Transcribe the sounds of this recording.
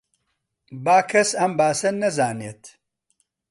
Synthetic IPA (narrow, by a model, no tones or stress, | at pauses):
baːkʰɐsɐmbaːsɐnɐzaːneːt̪